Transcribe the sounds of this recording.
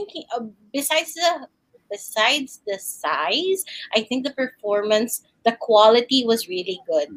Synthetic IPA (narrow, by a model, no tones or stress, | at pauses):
ɪ̃ŋkʔbɪsajdsðə | bɪsaɪdsðɨsaɪzʔaɪθɪ̃ŋk̚d̪əpɛɹfɔɹmɐ̃ns | d̪əkʰwalɪt̪iwʌzɹiliɡʊd̪̚